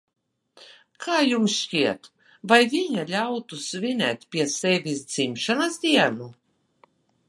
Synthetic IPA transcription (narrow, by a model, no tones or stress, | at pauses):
kʰaːjumsʃt͡ʃiɛt̪ | vajvʲiɲalʲawt̪usvʲinɛ̰ːt̪ʲpʲiɛsevʲisd̪z̥imʃanasd̪ʲiɛnu